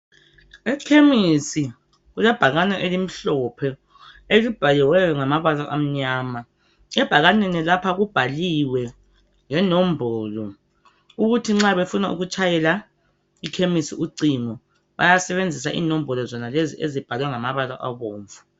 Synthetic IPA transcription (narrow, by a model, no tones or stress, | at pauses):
ɛkʰemisi | ɣulɛb̥ʱaɣanɛʔelim̩ɬɔpʰɛ | elib̥ʱalɛwɛjɔŋamaβalaʔam̩ɲaːma | ɛb̥ʱaɣanɛnɛlapʰaɣub̥ʱaliwɛ | ŋɛnɔm̩bʱɔːlɔ | uɣutʰiŋ͡ǁaβefunaṵɣut͡ʃʼʰajɛla | ikʰemisiuǀiŋɔ | βa̰jasɛβend͡zʱis̬aʔḭnɔm̩bɔlɔzɔnaleziʔezib̥ʱalwɛŋamaβala̰ʔaβoːɱvu